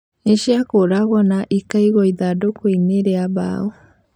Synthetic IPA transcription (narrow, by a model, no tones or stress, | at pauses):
iʃiakoɾaɣɔnaʔikaiɣɔiðadokoineɾeaβa̰ɔ